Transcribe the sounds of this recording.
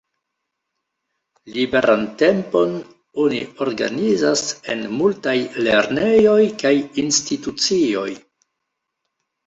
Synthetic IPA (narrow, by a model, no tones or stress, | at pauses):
libe̞ɾʔante̞mpo̞n | o̞nḭo̞ɾɡa̰nizase̞̰nmultajle̞ɾnejo̞jkajinstitut͡sio̞j